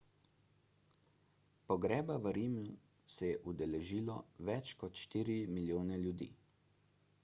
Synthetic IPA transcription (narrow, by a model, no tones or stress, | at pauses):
pɔɡɾɛːbaʋəɾiːmju | sɛjɛʔud̪ɛlɛʒiːlɔʋɛt͡ʃkɔt̪ʃt̪iːɾimiljoːnɛlʲjud̪ḭː